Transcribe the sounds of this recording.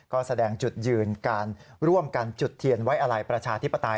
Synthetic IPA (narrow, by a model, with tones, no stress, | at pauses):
kɔː˥˩sa˧dɛː˧ŋt͡ɕu˨˩t̪̚jɯː˧nkaː˧nɾu˥˩əmka˧nt͡ɕu˨˩t̪ʰːi˧ənwa˦˥jʔa˧ɾa˧jpɾa˧t͡ɕʰaː˧t̪ʰi˦˥pːa˧t̪a˧